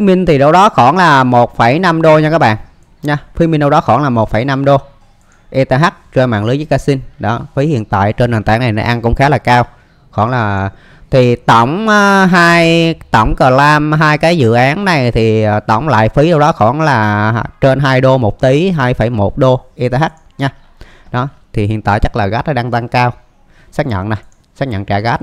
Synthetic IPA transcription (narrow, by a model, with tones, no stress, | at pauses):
i˨˦mi˧n̟t̪ʰi˨˩ɗə˧wɗɔ˨˦xɔ˧˩nlaː˨˩mo˨˩t̚fə˧˩jna˧mɗo˧ɲaː˧kaː˦˥ɓa̰ː˧˨ʔ | ɲaː˧fi˨˦mi˧nɗə˧wɗɔ˨˦xɔ˧˩nlaː˨˩mo˨˩t̚fə˧˩jna˧mɗo˧ | ʔi˧t̪a˧ɦa˦˥k̚t͡ɕe˧nma̰ː˧˨nlɨ˨˦jzə˨˦jkaː˧si˧nɗɔ˨˦fi˨˦hḭ˧˨ənt̪a̰ː˧˨jt͡ɕe˧nːaː˨˩nt̪a̰ː˧˩na˨˩jna̰˧˩ʔa˧nkʊ̰˧˥ŋ͡mxaː˨˦laː˨˩kaː˧w | xɔ˧˩nlaː˨˩ | t̪ʰi˨˩t̪ə˧˩wŋ͡mʔːɦaː˧jt̪ə˧˩wŋ͡mkəː˨˩laː˧mɦaː˧jkaː˨˦jzɨ̰˧˨ʔaː˨˦nna˨˩jt̪ʰiː˨˩˨t̪ə˧˩wŋ͡mla̰ː˧˨jfi˨˦ɗə˧wɗɔ˨˦xɔ˧˩nlaː˨˩t͡ɕe˧nɦaː˧jɗo˧mo˨˩t̚t̪i˨˦ɦaː˧jfə˧˩jmo˨˩t̚ɗo˧ʔi˧t̪e˧ɦa˦˥k̚ɲaː˧ | ɗɔ˨˦ | t̪ʰi˨˩ɦḭ˧˨ənt̪a̰ː˧˨jt͡ɕa˦˥k̚laː˨˩ɣa˦˥t̚ʔɗaː˧ŋt̪a˧ŋkaː˧w | saː˦˥k̚ɲə̰˧˨na˨˩j | saː˦˥k̚ɲə̰˧˨nt͡ɕaː˧˩ɣaː˦˥t̚